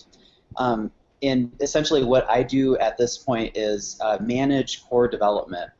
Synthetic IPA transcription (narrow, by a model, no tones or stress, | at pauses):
ʔm | ɨ̃nɨsɛ̃nʃl̩ˠiwʌɾʔa̰ɪdɨɨt̪̚ðɪspʰɔ̃ɪ̃ntɪzmænɪ̥ʒ̥kʰɔɹdɨvɛlˠə̰p̚mɨ̰̃nt̚